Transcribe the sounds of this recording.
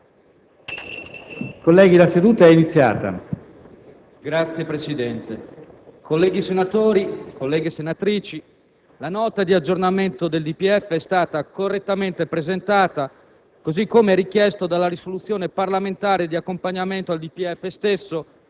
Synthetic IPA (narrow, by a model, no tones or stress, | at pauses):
kolːɛːɡilased̪uːt̪aɛinit̪sːja̰ːt̪a̰ | ɡɾat̪sːjepɾesid̪ɛnt̪e | kʰolːɛːɡisenat̪oːɾikolːɛːɡesenat̪ɾiːt͡ʃi | lanɔːt̪ad̪iad͡ʒːornament̪od̪eld̪ipiɛfːeɛst̪aːt̪akorːet̪ːament̪epɾezent̪aːt̪a | kozikːomeɛrik̟jɛst̪od̪alːaɾisolut̪sːjoːneparlament̪aːɾed̪iakːompaɲːament̪oald̪ipiɛfːest̪esːo